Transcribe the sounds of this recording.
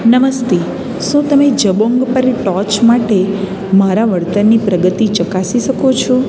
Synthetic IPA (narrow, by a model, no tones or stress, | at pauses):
nəməst̪e | ʃũt̪əmed͡ʒəboŋɡpəɾʈɔt͡ʃmaʈe | maɾaʋəɽt̪ənːipɾəɡət̪it͡ʃəkasiʃəkot͡ʃʰɔ